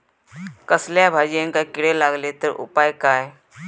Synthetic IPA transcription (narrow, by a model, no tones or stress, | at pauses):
kəsljabʱaːd͡ʒənkakɪɽelaːɡleːt̪əʔʊ̰paːjkaːe